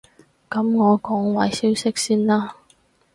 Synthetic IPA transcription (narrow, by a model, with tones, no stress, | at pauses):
kɐ˨˦mŋɔː˨˧kɔː˨˥ŋwɐ˨˥jsiː˥wsɪ˥k̚siː˥nlaː˥